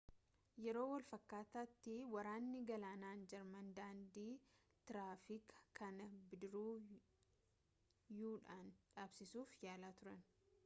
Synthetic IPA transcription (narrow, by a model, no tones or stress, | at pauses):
jɛɾo̞ːwɐlfɐkːaːt̪aːt̪ːɪwɐɾaːnːɪɡɐlaːnaːnd͡ʒɐɾmɐnd̪aːnd̪iː | t̪ɪɾaːfɪkkʰːɐnɐbɪd̪ɪɾuː | juːᶑaːnᶑaːbsɪsuːfjaːlaːt̪ʊɾɐn